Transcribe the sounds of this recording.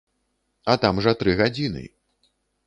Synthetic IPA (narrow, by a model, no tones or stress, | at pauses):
ɐt̪amʐɐt̪ɾɨɣad͡zʲinɨ̰